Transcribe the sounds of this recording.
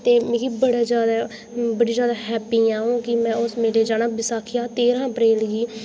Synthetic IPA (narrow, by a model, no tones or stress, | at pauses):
t̪eːmẽːɡibəɽaːd͡ʒjaːd̪aː | bəɽiːd͡ʒjaːd̪aːɦɛːpiːãːɦõːkɪmɛ̃ːʊsmeːɾeːd͡ʒaːnaːbɪsaːkʰɪjaːt̪eːɾãːəpɾeːlɡiː